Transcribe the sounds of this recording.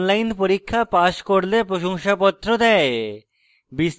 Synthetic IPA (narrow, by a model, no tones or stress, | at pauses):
nlajnpoɾikʰːapaʃkoɾlepɾoʃoŋʃapɔt̪ːɾod̪ɛe | bis